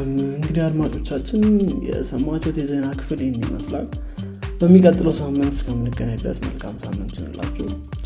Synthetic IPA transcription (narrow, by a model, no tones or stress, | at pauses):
ɨŋɡɨd̪iad̪mat͡ʃʼo̞t͡ʃːat͡ʃːɪnjɛ̰səmːat͡ʃːɛwt̪ʰjɛzənakʰɨ̥fɨljɛmːimə̰sla̰l | b̥əmːikʼət̪ʼːɨləwsamːɨnt̪skʰəmːɨnɨɡːənəjb̪ə̰smə̰lkʰamsa̰mːɨnt̪jɛ̰on̰la̰t͡ʃːɛh